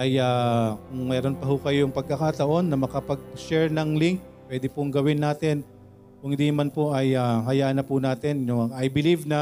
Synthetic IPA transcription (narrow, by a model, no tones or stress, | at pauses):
ʔɐjaːkʊŋmɛːɾo̞npɐɦʊkɐjoŋpɐɡ̚kːɐkaːt̪ɐʔo̞nːɐmɐkɐpɐɡ̚ʃɛɹnɐŋlɪŋk̚ | pːwɛd̪ɪpʊŋɡɐwɪnːaːt̪ɛn | kʊŋhɪnd̪inɐmanpoʔɐjaɦɐjaːʔnɐpʊnaːt̪ɛnjʊŋajbɪlivnɐ